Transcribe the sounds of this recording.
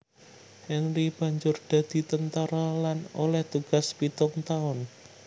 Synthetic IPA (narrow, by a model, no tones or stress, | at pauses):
hɛnɾib̥ä̤ɲd͡ʒʊrd̪̥a̤d̪̥i̤t̪ənt̪aɾalanolɛht̪uɡ̥a̤spit̪ʊŋt̪aʊn